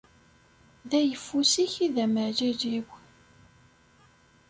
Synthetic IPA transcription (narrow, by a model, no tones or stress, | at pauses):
ðæjəfːusiçiðæməʕʒæʒiw